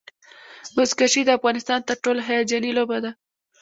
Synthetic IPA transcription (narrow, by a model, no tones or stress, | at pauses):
bʊzkaʃid̪əafɣɑnɪst̪ɑnt̪əɾʈolaɦajɑt̪̚d͡ʒɑnilobad̪a